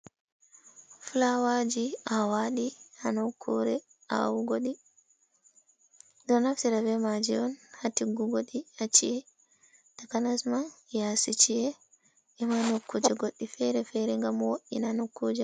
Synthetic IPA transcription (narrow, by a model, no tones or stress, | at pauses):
fulawad͡ʒiawaɗihanokʰːuɾɛ | ʔa̰wuɡoɗi | dɔnaftiɾavɛmad͡ʒiɔnhatiɡuɡoɗihat͡ʃiɛ | takanasmajasit͡ʃiɛ | ʔɛmanokʰːud͡ʒɛɡoɗːifɛɾɛfɛɾɛŋɡamwoʔḭnanokːud͡ʒɛ